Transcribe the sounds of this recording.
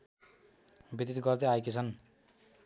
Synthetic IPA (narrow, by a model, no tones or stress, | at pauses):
bit̪it̪ɡʌrd̪eajket͡sʰʌn